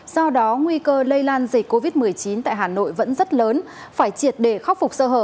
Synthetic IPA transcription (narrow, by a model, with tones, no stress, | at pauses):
sɔ˧wɗɔ˨˦ŋwi˧kəː˧lə˧jlaː˧nzi˨˩k̚kːo˧vi˦˥t̚mɨ˨˩əjt͡ɕi˨˦nt̪a̰ː˧˨jɦaː˨˩no̰˧˨jvə̰˧˥nzə˦˥t̚ləː˨˦n | faː˧˩jt͡ɕi˨˩ət̚ɗe˧˩xa˦˥wk͡p̚fʊ˨˩k͡p̚səː˧ɦəː˧˩p̚